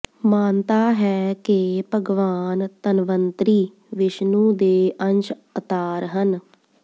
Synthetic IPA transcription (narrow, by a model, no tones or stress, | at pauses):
maːnt̪aːɦɛːkepəɡʋaːnt̪ənʋənt̪ɾiː | ʋɪʃnũːd̪eːʔənt͡ʃ | ət̪aːɾɦən